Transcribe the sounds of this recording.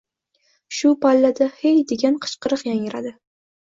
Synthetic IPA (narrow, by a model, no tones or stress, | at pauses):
ʃʊpʰalːad̪ahejd̪e̞ɡʲanqʰɨ̥t͡ʃqɨɾɨqjaŋɪɾad̪ɪ